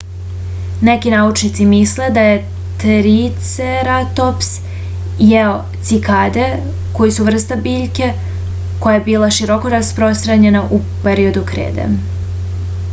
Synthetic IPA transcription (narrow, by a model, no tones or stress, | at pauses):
nekinaut͡ʃnit̪simisle̞d̪aje̞ | t̪ɾit̪seɾat̪ops | jeo | t̪sikad̪e | ko̞jisuʋr̩st̪abiːʎke̞ | ko̞jajebiːlˠaʃiɾo̞koɾaspɾo̞st̪ɾaɲe̞naʔu | peɾio̞d̪ukɾḛːd̪ḛ